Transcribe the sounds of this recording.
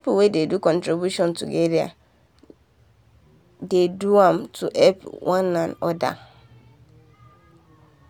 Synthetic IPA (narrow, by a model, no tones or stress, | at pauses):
pipʊwededukʰɔ̃ntɾibjuʃɔ̃ntʰṵɡeɾia̰ | deduãmtʰuʔɛpʰwʔãnːãnɔda̰